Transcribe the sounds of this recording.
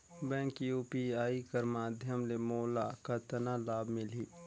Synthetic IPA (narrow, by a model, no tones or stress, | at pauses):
bɛ̃ːkjuːpiaːikɐɾmaːd̪ʱjəmlemoːlakɐt̪ɐnalaːbmɪliː